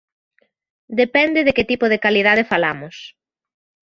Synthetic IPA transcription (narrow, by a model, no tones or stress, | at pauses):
d̪epɛnd̪ɪðekɪt̪ipoðekaliðaðefalamʊs